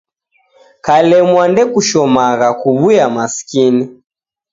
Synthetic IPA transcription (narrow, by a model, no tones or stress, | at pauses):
kalɛmwandɛkuʃɔmaɣakuβujamasi̥kini